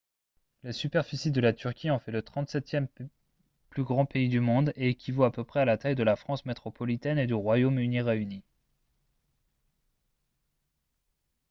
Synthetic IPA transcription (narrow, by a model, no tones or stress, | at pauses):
lasypɛʁfisid̪əlat̪yʁkʲiɑ̃fɛlət̪χɑ̃t̪sɛt̪jɛm | plyɡʁɑ̃peid̪ymɔ̃d̪ekʲʰivoapøpχɛalat̪ajd̪əlafχɑ̃smet̪χɔpɔlit̪ɛned̪yʁwajomyniʁeyni